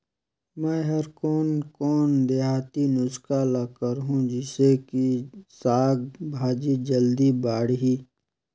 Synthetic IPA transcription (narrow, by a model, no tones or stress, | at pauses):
mɛ̃ːɦɐɾkɔːnkɔːnd̪eɦaːt̪inʊskalakəɾɦũd͡ʒɪsekisaːɡ̚bʱaːd͡ʒid͡ʒəld̪ibaːɽɦiː